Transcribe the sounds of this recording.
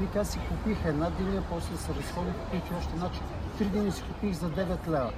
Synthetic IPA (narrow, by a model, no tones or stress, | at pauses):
likasikʊpixɛd̪nad̪iniɛpɔslɛsɛɾɐsxɔd̪ikʊ̥pixt̪iɔʃt̪ɛnat͡ʃint̪ɾid̪inisi̥kʊpixzɐd̪ɛvɛt̪lɛvɐ̰